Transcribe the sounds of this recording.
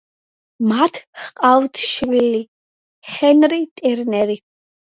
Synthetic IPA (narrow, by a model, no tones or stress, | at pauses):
mat̪ʰχqʼavd̪ʰʃvili | χɛnɾit̪ʼɛɾnɛɾi